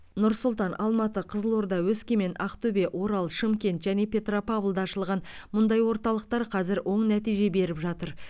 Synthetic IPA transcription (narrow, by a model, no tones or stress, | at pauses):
nʊɾsʊlˠt̪ɑnʔɑlˠmɑt̪əqʰəzəlˠoɾd̪ɑwɵskʲeme̞nɑqt̪ɵbeʔwo̞ɾɑlˠʃɪmkʲe̞nt̪ʒæne̞pʰʲe̞t̪ropavlˠd̪ɑːʃəlˠʁɑnmʊnd̪ɑjwo̞ɾt̪ɑlˠəq̚t̪ɑɾqʰɑzɪɾwʔo̞ɴnæt̪ijʒe̞be̞ɾɪpʒɑt̪əɾ